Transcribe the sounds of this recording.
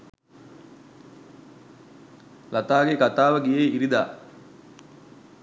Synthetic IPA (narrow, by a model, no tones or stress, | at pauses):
lat̪aːɡekat̪aːʋəɡijeiɾid̪a̰ː